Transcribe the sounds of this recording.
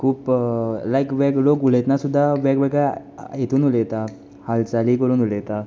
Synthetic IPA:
kʰuːplajkʋɛklokulet̪nasud̪ʱːaʋɛɡʋɛɡɭa | jet̪uːnulet̪a | halt͡saliːkəɾuːnulet̪a

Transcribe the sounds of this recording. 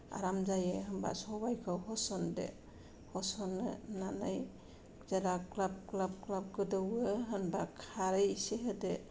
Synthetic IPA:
a̰ɾamzajɯɦɯmba̰sɔbajkʰɯwɦɔsɔndɛ̰ | hɔsɔnɯnanaj | zadaklab̚klab̚klab̚ɡɯdɯwɯɦɯnbakʰaɾɯjseɦɯde

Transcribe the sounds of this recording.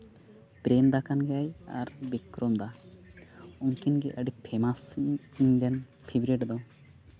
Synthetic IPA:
pɾemd̪akanɡɛaja̰ɾbikɾɔmd̪a | uŋkinɡɛʔəɖipʰemasnɡɛnpʰibɾiʈd̪ɔ

